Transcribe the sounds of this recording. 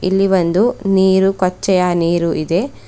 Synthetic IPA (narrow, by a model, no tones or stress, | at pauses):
ilːiʋɐnd̪uniːɾukɔt͡ʃːɛjaniːɾuʔid̪e̞